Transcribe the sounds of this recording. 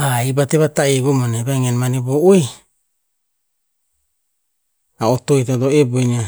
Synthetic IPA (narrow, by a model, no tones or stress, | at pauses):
aibateβataiɡomonebaŋenmaniboʔoi | aotoitatoeboina